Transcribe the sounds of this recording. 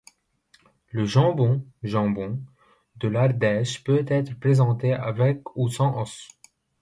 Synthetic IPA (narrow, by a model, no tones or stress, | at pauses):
ləʒɑ̃bɔ̃ʒɑ̃bɔ̃ | d̪əlaʁd̪ɛʃpøt̪ɛt̪χəpχezɑ̃t̪eavɛkusɑ̃ʔɔs